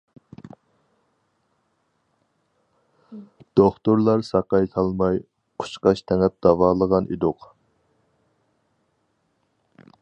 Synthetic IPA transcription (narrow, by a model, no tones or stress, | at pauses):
d̪̥oχt̪uɾlˠɑɾsɑqɑjt̪ʰɑlˠmɑj | qʰʊ̥t͡ʃqɑʃt̪ʰɛŋɛp̚d̪̥ɑvɑːlˠəʁɑnḭd̪ʊq